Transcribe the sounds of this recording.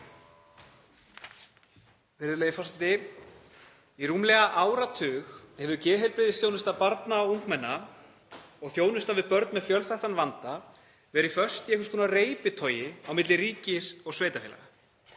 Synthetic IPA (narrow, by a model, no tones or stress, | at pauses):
vɪɾðʏlejɪfɔsɪt̪ɪ | iruːmlɛɣaʔaːwɾat̪ʰʏːxhɛvʏcɛːɦeɾpɾɪðɪsθjoːwnɪst̪apaɾt̪nauŋkmɛnːa | ɔɣθjoːwnʏst̪avɪpœɾt̪nmɛðfjœlfajht̪anvant̪a | vɛɾifœr̥st̪ɪɛhkʏskʰɔːnareːjpɪt̪ʰoːɥjɪawmɪt̪lɪriːcɪsɔɣsveːjt̪afɛːla̰ɣa